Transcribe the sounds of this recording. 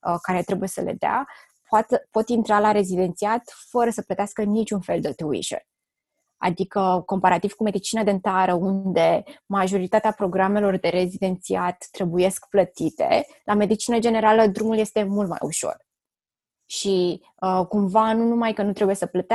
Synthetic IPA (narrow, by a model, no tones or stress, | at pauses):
əkaɾe̞t̪ɾe̞buje̞səlḛd̪ea̰ | pat̪əpo̞t̪int̪ɾalaɾe̞zid̪e̞nt̪siat̪fəɾəsəplət̪easkənit͡ʃunfe̞ld̪et̪uḭʃə̰n | a̰d̪ikəko̞mpaɾat̪iv̥kume̞d̪it͡ʃinad̪ent̪aɾəund̪e̞maʒo̞ɾit̪at̪eapɾo̞ɡɾame̞lo̞rd̪e̞ɾe̞zid̪e̞nt̪siat̪ːɾe̞buje̞skplət̪it̪e̞̰ | lʔame̞d̪it͡ʃinəd͡ʒe̞ne̞ɾaləd̪ɾumuljest̪e̞mult̪ma̰jṵʃo̞̰r | ʃi | əkumvanunumajkənut̪ɾe̞buje̞səplət̪